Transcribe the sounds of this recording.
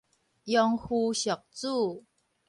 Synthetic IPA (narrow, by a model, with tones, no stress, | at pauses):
jɔ˧ŋhu˧ɕjɔ˨˩k̚t͡su˥˧